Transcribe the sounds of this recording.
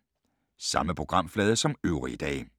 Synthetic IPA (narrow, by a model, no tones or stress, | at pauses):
sɑ̈məpʰʁo̝ɡ̥ʁɑ̈m̰flɛːð̞ˠəsɒ̽møʊʁḭd̥ɛ̰ː